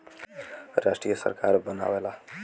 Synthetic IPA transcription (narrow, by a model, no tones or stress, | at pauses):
ɾaʂʈɾijəsə̰ɾkaɾbəna̰ʋela